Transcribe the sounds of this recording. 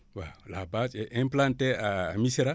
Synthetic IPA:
walabat͡ʃeʔɛ̃mplanteamiseɾa

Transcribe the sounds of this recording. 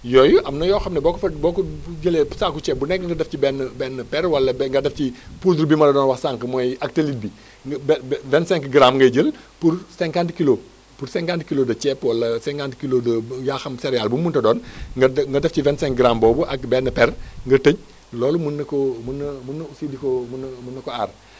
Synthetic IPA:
jɔjuʔɐmnɐjɔːxɐmnɛbɔːkɔfɐbɔːkɔɟəlɛːsaːkut͡ʃɛːp̚bunɛkːɐŋɡɐdɐfcibɛnːbɛnːəpɛɾwɐlːɐŋɡɐdɐfcipus̬uɾbimɐlɐdɔːnwɐxsaːŋkəmɔjɐk̚təlit̚bi | bvɛntsɛ̃ŋkɡɾamŋɡɐjɟəl | puɾsɛŋkantkilo | puɾsɛŋkantkilodɐt͡ʃɛpwɐlːɐsɛ̃ŋkantkilodɐjaxɐmsɛɾjalbumuntɐdɔːnŋɡɐŋɡɐdɐfivɛntsɛ̃ŋk̚ɡɾambɔːbuʔɐk̚bɛnːɐpɛrŋɡɐtəɲ | lɔːlumunːɐkɔmunːmunːusidikomunːmunːɐkɔar

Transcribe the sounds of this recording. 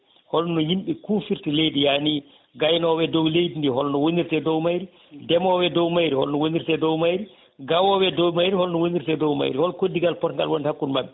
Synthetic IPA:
hɔlnɔjimɓɛkuːfiɾtilejdijani | ɡajnɔwɛdɔwlejdindihɔlnɔwoniɾtɛdɔwmajɾi | dɛmɔwɛdɔwmajɾihɔlnɔwoniɾtɛdɔwmajɾi | ɡawɔwɛdɔwmajɾihɔlnɔwoniɾtɛdɔwma̰jɾihɔlkodːiɡalpɔtŋɡa̰lwɔnhakːunmabːɛ

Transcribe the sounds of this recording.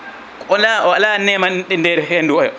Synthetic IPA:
kʔɔnlaɔalanɛmanɗindɛɾɛɦenduɔjɔ̰

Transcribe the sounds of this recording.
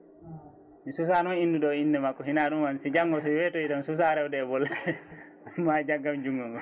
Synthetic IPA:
misus̬anɔninːduɗɔindɛmakːɔɦinaɗunwansid͡ʒaŋːɡɔs̬ɔwɛtoidɔnsus̬aɾɛwdɛːbɔlːaɛ | mad͡ʒaɡːamd͡ʒuŋɡɔmɔ

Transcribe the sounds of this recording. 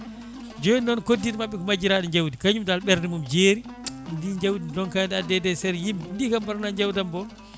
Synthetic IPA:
d͡ʒɔjːɔnkodːitmaɓːɛkɔmad͡ʒiɾaɗɔɲd͡ʒawdikaɲumdalɓɛɾdɛmumd͡ʒeːɾindiɲd͡ʒawdidɔnkadadɛdɛsɛɾjimdindikambaɾnaɲd͡ʒawdambɔ

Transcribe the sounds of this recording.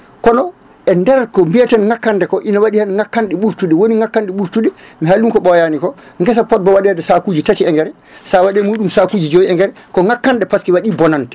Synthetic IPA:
kɔnɔ | ʔɛndɛɾakɔmbiatanŋakːandɛkɔʔinawaɗihanŋakːanɗɛɓuɾtuɗɛwoniŋakːanɗɛɓuɾtuɗɛmiɦalːuŋkɔɓɔjanikɔ | ŋɡɛs̬apɔt̚bawaɗɛɛdɛsakuːd͡ʒitatiɛŋɡɛɾɛ | sawaɗɛmuːɗumsakud͡ʒid͡ʒowiɛŋɡɛɾɛkɔŋakːandɛpaskiwaɗibɔnantɛ̥

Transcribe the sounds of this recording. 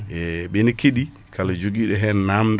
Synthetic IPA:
ɛɓenikeɗi | kʰalad͡ʒoɡiɗɛɦɛnnamd

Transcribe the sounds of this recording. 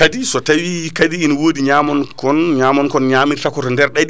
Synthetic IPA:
kadisɔtawikadiːnwoːdiɲamɔnkɔnɲaːmɔnkɔnɲaːmitakɔtɔndɛɾɗaɗ

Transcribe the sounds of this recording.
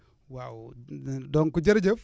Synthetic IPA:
wawdoŋkud͡ʒeɾd͡ʒe

